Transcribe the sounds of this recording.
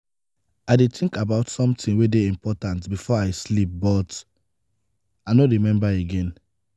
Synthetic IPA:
aɪdetʰĩŋkabaʊtsɔ̃mtĩnwedeĩmpʰɔtãntbifɔaɪslip̚bɔt | aɪnoɹimɛ̃mbaeɡɛ̃n

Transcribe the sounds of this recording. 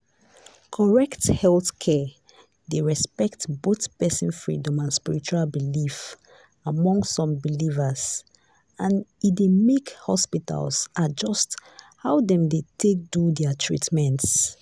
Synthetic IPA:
kʰɔɹɛkthɛlθkʰɛ | deɹɛspɛktboθpɛsĩnfɹḭdɔ̃mãnspiɹit͡ʃualbilif | amɔ̃ŋɡsɔ̃mbilivəz | ãnidemekhɔ̰spita̰lsad͡ʒɔsthaʊdɛ̃mdetʰek̚dudɛatʰɹḭtmɛ̃nts

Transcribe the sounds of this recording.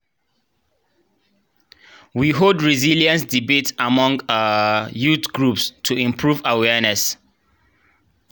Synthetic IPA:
wiɦoldɹiziljə̃nsdibetamɔ̃ŋɡajutɡɹupstʰuĩmpʰɹuvawɛnɛs

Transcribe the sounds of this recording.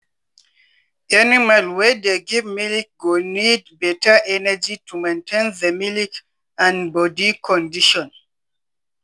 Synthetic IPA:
ɛnimalwɛdeɡivmilik̚ɡunidbɛtʰəʔɛnəd͡ʒitʰumẽntʰẽnðəmilik | ãnbɔdikʰɔ̃ndiʃɔ̃n

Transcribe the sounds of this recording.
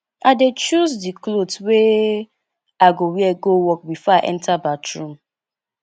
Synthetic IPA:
adet͡ʃuzdiklotwe | aɡowiɛɡowɔk̚bifɔaʔɛ̰̃ntʰabatɹũm

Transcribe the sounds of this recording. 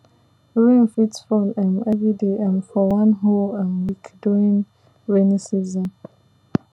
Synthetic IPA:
uĩnfitfɔlãnɛvɹideʔɛ̃nfɔwãnɦolãnwikʰduĩŋ | ɹɛnisizɔ̃n

